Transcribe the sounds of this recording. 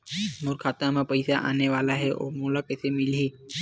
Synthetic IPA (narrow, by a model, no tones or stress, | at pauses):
moɾkʰaːt̪ãmãpəjsaʔa̰neʋaːlaɦeʔo̰mulakəsemilɦiː